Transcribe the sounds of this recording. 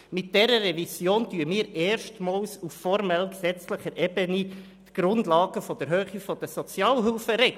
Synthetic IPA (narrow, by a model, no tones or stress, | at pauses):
mɪt̚d̥ɛɾərɛvisjoːntyːəmiːɾɛːɾʃtmɑːlsuffɔɾmɛlksɛt͡sləχəɾʔɛbəni | t̪ɡ̥ɾʊndlɑːɡ̥əfɔd̥əɾɦøːχifɔd̥əsɔt͡sjɑːlɦʏlfəɾɛ